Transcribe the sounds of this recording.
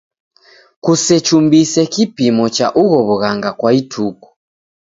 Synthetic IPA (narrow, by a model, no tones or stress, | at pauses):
kusɛt͡ʃumbisɛkipimɔt͡ʃaʔuɣɔβuɣaŋɡakwaitʰuku̥